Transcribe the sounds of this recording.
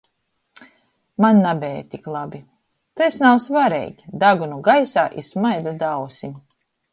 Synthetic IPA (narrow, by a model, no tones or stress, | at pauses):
manːabʲɛːjt̪iklˠabi | t̪esnawsvaɾɛ̰jɡʲid̪aɡunuɡajsaːʔismajd̪zad̪awsʲim